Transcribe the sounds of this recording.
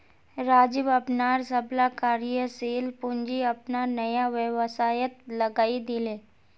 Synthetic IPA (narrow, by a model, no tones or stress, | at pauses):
ɾaːd͡ʒɪbɐpnaːɾsɐblakaːɾjəseːlpʊɲd͡ʒiɐpnanɐjaʋəʋsaːjət̪lɐɡaːid̪ɪleː